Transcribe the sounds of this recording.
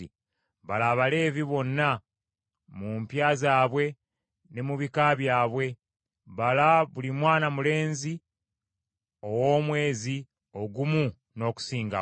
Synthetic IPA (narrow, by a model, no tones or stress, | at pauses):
i | βalaːβale̞ːviβo̞nːa | mumpjaːzaːβwe̞ | ne̞muβikaβjaːβwe̞ | βalaβulimwaːnamule̞ːnzi | o̞wo̞ːmwe̞ːzi | o̞ɡumu | no̞ːku̥siːŋɡa̰